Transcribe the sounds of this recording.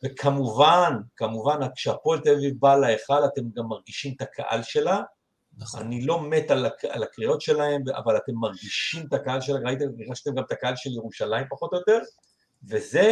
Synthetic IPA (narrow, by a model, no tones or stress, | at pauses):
vekʰamuvankamuvanakʃeapo̞elt̪evibalaeχalate̞mɡamːaʁɡiʃimet̪akʰa̰ʔa̰lʃe̞la | a̰nilo̞metalaka̰lakʁio̞tʃe̞lahe̞mbʔa̰valat̪e̞mːaʁɡiʃimt̪akaalʃe̞laɡait̪̬eɡaʃtemɡamt̪akaalʃeljeʁuʃalaimpaχo̞t̪ojot̪e̞ʁ | veze̞